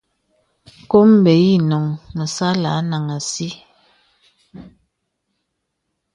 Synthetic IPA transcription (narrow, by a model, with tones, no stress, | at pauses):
ko˦m˦˨bɛ˨˦ji˦˨nɔ˨ŋmə˨sa˦la˨˦na˨ŋa˨si˦